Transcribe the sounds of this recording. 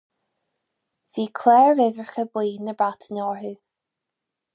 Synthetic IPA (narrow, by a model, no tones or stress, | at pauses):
v̥iːkʰlɛːɹvɛðəɹxəbwiːnəbat̪ʰənɔːɹɹʉ